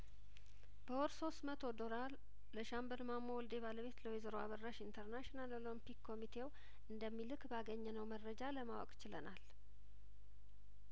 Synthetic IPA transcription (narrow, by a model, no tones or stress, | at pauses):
b̥əwɔɾso̞st̪mət̪ʰo̞d̪oɾalː | əʃambəlmamːowɔld̪e̞βaləβe̞t̪ləwezəɾoaβərːaʃint̪ʰəɾnaʃonalolompikːo̞mit̪ʰe̞w | ɨnd̪əmːilɨkbaɡəɲːɛnəwməɾːəd͡ʒaləmawɔ̰kʼt͡ʃɪlənal